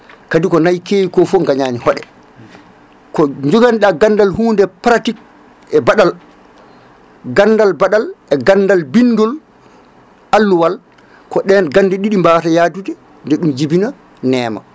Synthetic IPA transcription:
kadikɔnajkeːjikɔfɔŋɡaɲaːnihɔɗɛ̰ | kɔɲd͡ʒɔɡanɗaɡanːdalhuːndɛpɾatik̚ | ɛbaɗal | ɡanːdalbaɗalɛɡanːdalbinːdɔl | ʔalːuwal | kɔɗɛnɡandɛɗiɗimbatajaːdudɛ | ndɛɗumd͡ʒibina | nɛːma̰

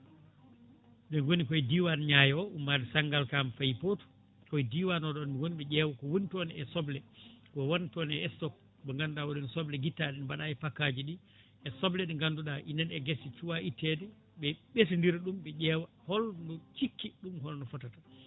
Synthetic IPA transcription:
bɛnwonikɔjdiwanɲajɛɔumːadisaŋɡalkamfajpotɔ̥ | kɔjdiwanɔɗɔnwoniɓɛd͡ʒɛːwakɔwonitɔniɛsɔblɛkɔwɔntɔnɛɛstɔk̚ | bɛŋɡandɗawɔɗɛnsɔblɛɡitːaɗɛnbaɗaɛpakːad͡ʒiɗi | ɛsɔblɛɗiŋɡanduɗaʔinɛnɛɡesit͡ʃuwaʔitːɛdɛ | ɓɛɓes̬indiɾɗumɓɛʄɛːwa | hɔlnɔt͡ʃikːiɗumhɔlnɔfɔtata

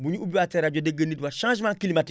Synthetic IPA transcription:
buɲuubiatɛɾad͡ʒɔdeɡənitwaʃãːʒmãkilimati

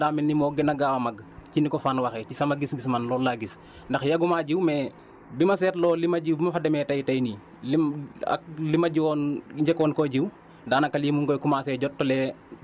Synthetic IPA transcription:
daːminːimɔːɡɛnɐɡawɐmɐɡcinikɔfanwɐxɛcisɐmɐɡisɡismɐnlɔːlaɡis | ndɐxjɐɡumaːɟiwmɛ | bimɐsɛːtlɔːlimɐɟiwbimɐfɐdɛmɛtɐjtɐjni | lia̰k̚limɐɟiwɔnɲɟɛkɔːnkɔɟiw | daːnɐkːɐlimuŋɡɔjkumaːsɛɟɔtːɔlɛ

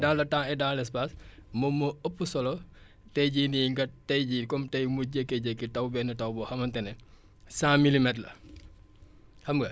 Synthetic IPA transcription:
dalɐtaɛdalɛspaːsmɔmoəpːusɔlɔ | tɛɟiːniŋɡɐtːɛjɟikɔmtɐjmuɟəkːɛɟɛkːitɐwbɛnɐtɐwbɔxɐmɐntɛnɛ | sãmilimɛtlɐ̰ | xɐmɡɐ

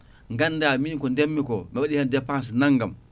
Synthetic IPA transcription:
ŋɡanːdaminkɔndemːikɔmɛɓaɗihandɛpːãns̬inaŋɡam

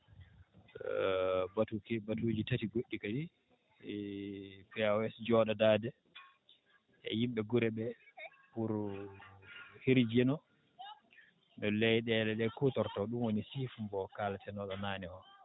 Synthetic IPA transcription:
batukɛbatud͡ʒitatiɡoɗːikadi | pɛawɛsd͡ʒɔɗadaːdɛ | ɛ̰jimɓɛɡuɾɛɓɛ | puɾ | hiɾd͡ʒɛnɔ | nɔlɛjɗɛlɛɗɛkutɔɾtaɗumwonisifmbɔkalatɛnɔɗɔnaːnɛɔ

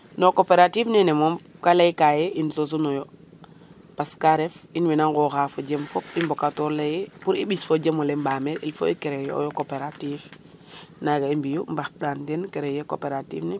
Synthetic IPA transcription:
nokopeɾatifnɛnɛmɔmkalajkajeʔinsos̬unɔjɔ | paskaɾefinwinaŋɡɔxafoɟemfɔpimbokatɔɾlejɛpuɾiɓisfoɟemolembameɾḭlfo̰ikeɾejo̰jokopeɾatif | naɡaimbijumbaxɗantɛnkeɾejeko̰peɾatḭːfnɛ

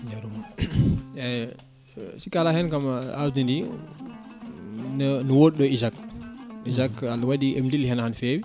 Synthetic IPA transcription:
jaɾum | ɛ | sikalahɛnkamadindi | nnəwoɗ̚ɗɔizak̚izakalwadiʔɛmdilhɛnahanfeːwi

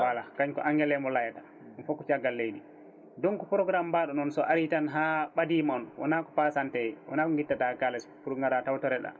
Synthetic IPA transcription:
walakaɲkɔ̰ʔaŋɡɛlɛmɔlajata | mɔfɔkːɔt͡ʃaɡːalːejdi | dɔnkɔpɾɔɡɾambaɗɔnɔnsɔʔaɾitanɦaːɓadimɔnwʔa̰nakɔ̥pasantɛjwʔɔ̰naːkɔŋɡitːatakalɛspuɾŋɡaɾatawtɔɾɛɗa̰

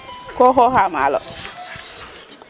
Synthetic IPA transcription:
koɦɔɦama̰lɔ̰

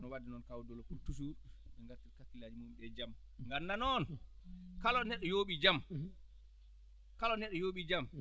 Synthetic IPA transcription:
nɔwadinɔnkawdɔlokultus̬uɾɓɛŋɡatiɾkakːilad͡ʒimumɓɛd͡ʒam | ŋɡanːanɔn | kalɔnɛɗːɔjoːɓid͡ʒam | kalɔnɛɗːɔjoːɓid͡ʒam

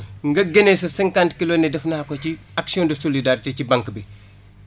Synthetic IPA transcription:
ŋɡɐɡɐnesɐsɐŋkantkilonɛdɛfnɐhakoci | aksiɔndɐsolidaɾitecibaŋkbi

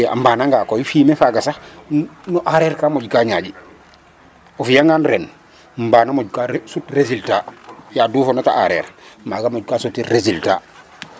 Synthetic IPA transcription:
a̰mbaːnaŋɡakojifiːmefaɡasa | nɔʔaɾeːɾkamoɟkaɲaːɟi | ɔfijaŋɡanɾen | mbaːnamoɟkasutɾeziltajaduːfonata̰ʔa̰ɾḛɾmaɡamoɟkasutiɾezilta̰ː

